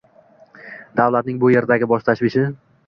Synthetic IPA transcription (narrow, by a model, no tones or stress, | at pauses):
d̪awlat̪nɪŋbʊje̞ɾd̪aɡʲɪbɒʃt̪ʰaʃvɪʃɪ